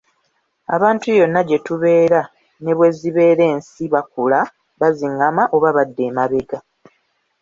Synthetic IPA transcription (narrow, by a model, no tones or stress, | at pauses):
a̰βaːntujo̞nːaɟe̞tuβe̞ːɾa | ne̞βwe̞ːziβe̞ːɾe̞ːnsiβakula | βaziŋɡamaʔo̞βaβadːe̞ːmaβe̞ɡa